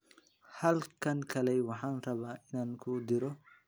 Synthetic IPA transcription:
hɐlkʰɐŋkʰɐlɛjwɑħɑːnrɐβaːʔɪnaːŋkʰʊd̪ɪɾɔ

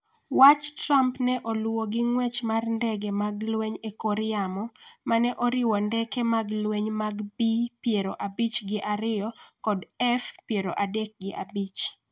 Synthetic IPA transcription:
wat͡ʃtɾampnɛʔolwoɡɪŋwɛt͡ʃmarndɛɡemaɡlwɛɲekɔɾɪamɔmanɛʔoɾɪwɔndɛkemaɡlweɲmaɡbipjeɾoʔabit͡ʃɡɪʔaɾɪjɔkɔdɛfpjeɾoʔadɛk̚ɡɪʔa̰bit͡ʃ

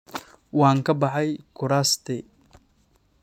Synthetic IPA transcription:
wɑːŋkʰɐbɑħɑjkʰʊɾaːst̪ʰɛ

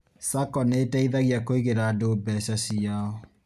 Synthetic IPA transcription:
sakɔnetɛiðɛɣiakoiɣeɾadobɛsasijaɔ

